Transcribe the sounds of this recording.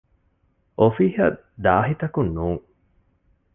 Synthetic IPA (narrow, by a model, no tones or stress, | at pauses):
ʔofihɐ̰ | d̪aːɦit̪ɐkunːuːŋ